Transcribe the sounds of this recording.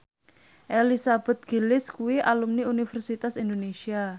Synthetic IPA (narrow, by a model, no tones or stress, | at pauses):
ʔelisab̥ɛ̤t̪̚ɡ̥ilɪskuwiʔalumniunifɛrsit̪asind̪onesia